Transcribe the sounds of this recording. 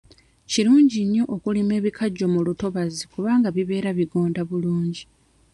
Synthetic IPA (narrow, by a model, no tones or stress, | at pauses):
ciɾuːɲɟiɲːo̞ʔokulime̞ːβikʰaɟːo̞muluto̞βazikuβaːŋɡaβiβe̞ːɾaβiɡo̞ːndaβuluːɲɟi